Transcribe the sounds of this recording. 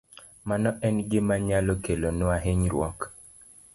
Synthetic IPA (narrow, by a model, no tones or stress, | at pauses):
manɔʔɛnɡɪmaɲalokelonʊaɦeɲɾwɔ̰k